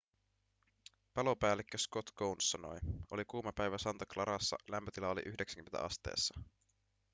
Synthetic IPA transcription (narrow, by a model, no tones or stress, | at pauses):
pɑlo̞pæːlːekːøskot̪ɡ̥ownsːɑno̞̰jo̞likuːmɑpæjʋæsɑnt̪ɑklɑɾɑsːɑ̰læmpøt̪ilɑolḭʔyhdeksæ̥ŋ̟yment̪æ̰ʔɑ̰st̪e̞̰ːsːɑ